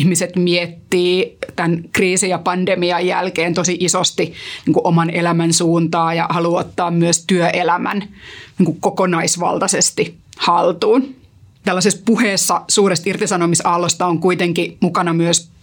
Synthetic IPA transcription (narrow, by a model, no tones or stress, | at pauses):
hmiset̪miet̪ːiːt̪ænkriːsijɑpɑndemiɑjjælkeːnt̪osiʔisost̪iniːŋkuʔomɑnelæmænsuːnt̪ɑːjɑhɑluot̪ːɑːmmyøst̪yøʔelæmæ̰nniːŋkukkokonɑisʋɑ̰lt̪ɑsest̪ihɑlt̪uːn | t̪ælːɑsespuheːsːɑsuːrest̪irt̪isɑnomisɑlːost̪ɑoŋkuit̪eŋkimukɑnɑmyøs